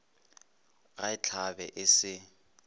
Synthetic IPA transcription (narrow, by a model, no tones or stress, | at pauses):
ɣaɪt͡ɬʰabɛ̰ʔɪsɪ